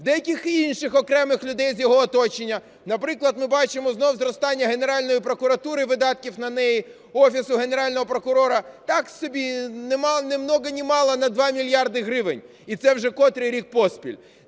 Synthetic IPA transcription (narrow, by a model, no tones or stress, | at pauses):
d̪ɛjɐkʲixinʃɪxɔkɾɛmɪxlʲʊd̪ɛjzʲjɔɦɔːt̪ɔt͡ʃenʲːɐ | nɐpɾɪklˠɐd̪mɪbɑt͡ʃɪmɔznɔwzɾɔst̪ɑnʲːɐɦeneɾɑlʲnɔjipɾɔkʊɾɐt̪uɾɪʋɪd̪ɑt̪̚kʲiwnɐnɛji | ɔfʲisʊɦeneɾɑlʲnɔɦɔpɾɔkʊɾɔɾɐt̪ɑksɔbʲinɛmnemnɔɣɐnʲɪmɑlˠɐnɐd̪ʋɑmʲilʲjɑrd̪ɪɦɾɪʋɪnʲ | it̪sɛwʒɛkɔt̪ɾɪɾʲik̚pɔspʲḭlʲ